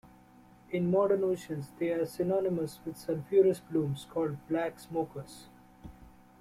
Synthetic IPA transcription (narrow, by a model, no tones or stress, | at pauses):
ɪ̃nmɔːɖəɾnoːʃə̃nsd̪eːaːɾsɪnɔːnɪməsʋɪd̪sə̃nfjuːɾəsblũːmskʰɔːlɖblæːksmoːkəɾs